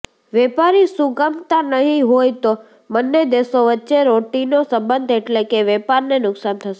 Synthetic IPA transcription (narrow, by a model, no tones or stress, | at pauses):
ʋɛpaɾisuɡəmt̪anəɦĩɦojt̪o | mənːed̪esoʋətːʃeɾoʈinosəmbənd̪ʱeʈlekeʋɛpaɾnenʊksant̪ʰəʃe